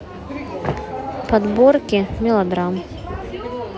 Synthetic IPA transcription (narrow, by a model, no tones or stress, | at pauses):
pad̪bɔrkʲimʲilˠɐd̪ɾam